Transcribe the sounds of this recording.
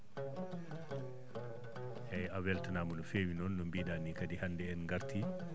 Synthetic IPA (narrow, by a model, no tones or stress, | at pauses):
hɛjawɛltanaːmɔnɔfeːwinɔnːɔmbiːdanːikadihandɛɛnŋɡaɾti